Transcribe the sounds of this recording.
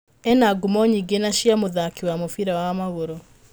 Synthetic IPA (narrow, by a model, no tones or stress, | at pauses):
ɛnaɡumɔɲiɡenaɕjamoðakiwamofiɾawamaɣoɾo